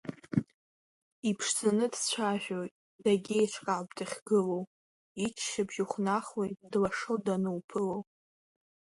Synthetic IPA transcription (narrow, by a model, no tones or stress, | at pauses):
ipʰʂzanɨdst͡ɕʷʰaʒᶣojtʼ | d̥aɡʲejʈ͡ʂʷʰqʼabdɨχʲɡɨlow | it͡ʃʰʃabʒuχʷnaχwejdlaʂowdanɨwpʰɨlow